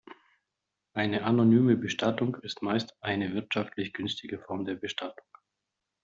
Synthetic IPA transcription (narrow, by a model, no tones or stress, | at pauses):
ʔaɪnəʔanonyːməbəʃtatʊŋkɪstmaɪstʔaɪnəvɪɐtʃaftʰlɪçɡ̥ʏnstʰɪɡəfɔɐmdeːɐbəʃtʰatʊ̥ŋ